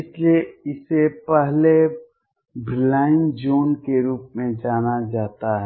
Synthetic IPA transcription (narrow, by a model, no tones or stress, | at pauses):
ɪslieɪsepɛɦle | bɾɪlaːɪnd͡ʒoːnkeɾuːpmẽd͡ʒaːnad͡ʒaːt̪aɦɛ